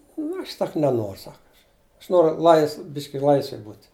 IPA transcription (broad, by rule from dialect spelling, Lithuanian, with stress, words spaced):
nʊ ˈɐʃ ˈsɐk nʲɛˈnoːr ˈsɐk ˈɐʃ ˈɐʃ ˈnoːrʊ ˈlˠɐɪsʋ ˈbʲɪʃʲkʲɪ ˈlˠɐɪsʲʋʲɛj ˈbuːtʲ